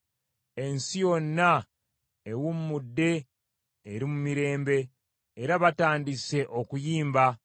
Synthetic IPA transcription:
e̞nsijo̞nːa | e̞wummudːe̞ː | ɾimumiɾe̞ːmbe̞ː | ɾaβataːndise̞ʔo̞kujiːmba

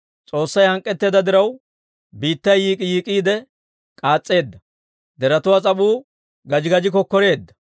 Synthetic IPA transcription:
t͡sʼo̞ːsːɐjhɐŋkʼːɛt̪ːe̞ːd̪ɐd̪ɪɾɐw | biːt̪ːɐjiːkʼɪjiːkʼiːd̪ɛ | kʼaːt͡sʼːe̞ːd̪ːɐ | d̪ɛɾɐt̪ʊwat͡sʼɐɓuː | ɡɐd͡ʒɪɡɐd͡ʒɪk̬ɔkːɔɾe̞ːd̪ːɐ̥

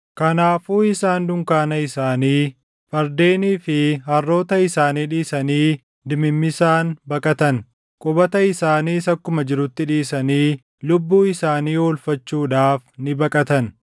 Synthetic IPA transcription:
kɐnaːfuːɪsaːnd̪ʊŋkaːnɐɪsaːniː | fɐɾd̪eːniːfɪhɐrːo̞ːt̪ɐɪsaːniːᶑiːsɐniː | d̪ɪmɪmːɪsaːnbɐkʼɐt̪ɐn | kʼʊbɐt̪ɐɪsaːniːsɐkːʊmɐd͡ʒɪɾʊt̪ːɪᶑiːsɐniː | lʊbːuːɪsaːniːɔlfɐt͡ʃːuːᶑaːfnɪbɐkʼɐt̪ɐn

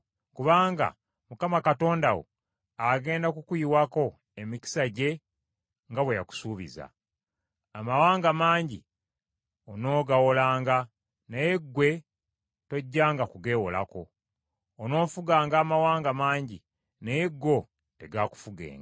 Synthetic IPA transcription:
kuβaːŋɡa̰ | mukamakato̞ːndawo̰ | aɡe̞ːndakukuiwako̞ | emiki̥saɟe̞ | ŋɡaβwejaku̥suːβḭza̰ː | mawaːŋɡamaːɲɟḭ | ono̞ːɡawolaːŋɡa | nejeɡwe̞ | to̞ɟːaːŋɡakuɡe̞ːwola̰ko̞ː | no̞ːfuɡaːŋɡaːmawaːŋɡamaːɲɟi | nejeɡːo̞ | te̞ɡaːku̥fuɡḛːŋɡa

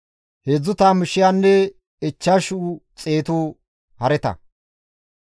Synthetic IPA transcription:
hed͡zːʊt̪aːmɪʃɪjaːnːɛ | ɪt͡ʃːaʃʊt͡sʼe̞ːt̪uː | hɐɾɛt̪ɐ̰

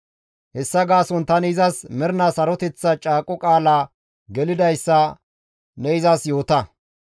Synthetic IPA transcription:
hɛsːɐɡaːsɔnt̪ɐnɪzɐsmɛɾɪnɐsɐɾɔt̪ɛt͡sːɐt͡ʃʼaːkʼɔkʼaːlaː | ɡɛlɪd̪ɐjsːɐ | nɛɪzɐsjo̞ːt̪ɐ

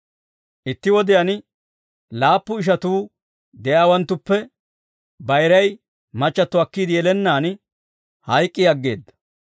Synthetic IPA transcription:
ʔɪt̪ːɪwɔd̪ɪjɐn | laːpːʊɪʃ̬ɐt̪uː | d̪ɛjaːwɐnt̪ːʊpːɛ | bɐjɾɐj | mɐt͡ʃʼːɐt̪ːʊɐkːiːd̪ɪjɛlɛnːaːn | hɐjkʼːɪɐɡːe̞̰ːd̪ːɐ̥

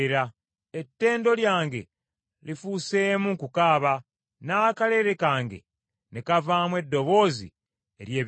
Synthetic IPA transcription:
ɾa | etːe̞ːndo̞ljaːŋɡe̞̰ | lifuse̞ːmuŋkukaːβa | naːkale̞ɾekaːŋɡe̞̰ | nekavaːmwe̞dːo̞βo̞ːzḭ | e̞ɾjeː

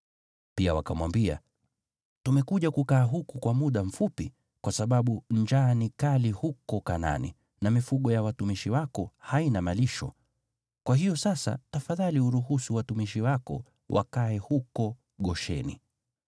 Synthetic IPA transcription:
piawa̰kamwambia̰ | tumɛkuʄakukaːɦukukwamuɗam̩fupi | kwasaɓaɓuɲd͡ʒaːnikalihukɔkana̰nḭ | namifuɠɔjawatumiʃiwakɔhainamaliʃɔ̰ | kwʔaɦijɔsasa̰tafaðaliuɾuɦusuwatumiʃiwakɔ̰ | wʔa̰kaɛhukɔ | ɠɔʃɛ̰nḭ

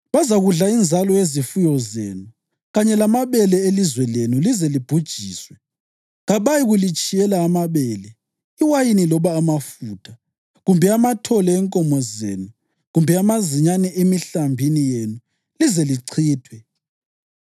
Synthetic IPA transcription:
βazaɣuɮaind͡zʱalɔezifujɔzḛːnu | ɣaɲɛlamaβɛlɛelizwɛlenulizɛlib̥ʱud̥ʒ̥ʱiːswɛ | ɣaβajiɣulit͡ʃʼijɛlaːmaβɛːlɛ | iwajinilɔβaːmafuːtʰḁ | ɣumbʱɛamatʰɔlɛːŋkʼɔmɔzḛːnu | ɣumbʱɛamaziɲanɛemiɬambʱinijenu | lizɛliǀʰiːtʰwɛ

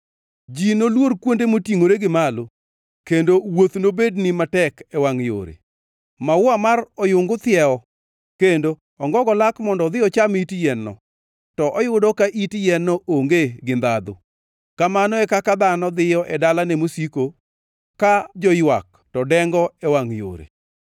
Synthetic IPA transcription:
d͡ʒinolworkwondemotiŋoɾeɡɪmalo | kendowot̪nobednimatɛkɛwaŋjo̰ɾḛ | mawwamarɔjʊŋɡʊt̪ɪjɛɔ | kendo | ɔŋɡɔɡɔlakmɔndɔd̪ɪɔt͡ʃamitjɛnːɔ̰ | tɔʔɔjʊdɔkaʔitjɛnːɔʔoŋɡeɡɪnd̪ad̪ʊ̰ | kamanɔɛkakad̪anɔd̪ɪjɔʔɛdalanɛmosiko | kad͡ʒɔjwa̰k̚ | tɔdɛŋɡɔɛwaŋjo̰ɾḛ

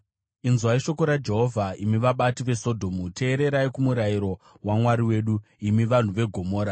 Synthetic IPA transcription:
inzwaiʃo̞ko̞ɾad͡ʒe̞ɦo̞vʱaimiʋaɓatiʋe̞so̞dʱo̞mutʰe̞ːɾe̞ɾaekumuɾajiɾo̞ | wamwaɾiwe̞ːɗuimiʋan̤uʋe̞ɡʱo̞mo̞ːɾa

